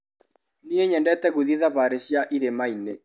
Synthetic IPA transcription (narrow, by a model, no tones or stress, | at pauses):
nieɲɛndɛtɛɣuðiðaβaɾeɕjaʔiɾemaine